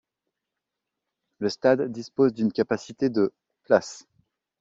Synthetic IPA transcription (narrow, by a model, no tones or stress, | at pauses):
ləst̪ad̪ːispozd̪ynkʲapasit̪ed̪ə | plas